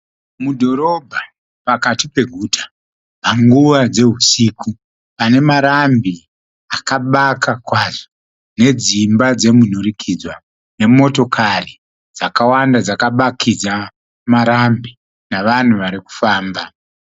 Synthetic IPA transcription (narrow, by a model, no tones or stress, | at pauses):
mudʱo̞ɾo̞bʱa | pakatipe̞ɡʱuːtʰḁ | paŋɡuʋad͡ze̞ɦusiːku | pane̞maɾambi | akaɓakakwazo | ne̞d͡zimbad͡ze̞munurikʰid͡zwa | ne̞mo̞to̞kʰari | d͡zakawandad͡zakaɓakʰid͡za | maɾambi | naʋan̤uʋaɾiku̥faːmba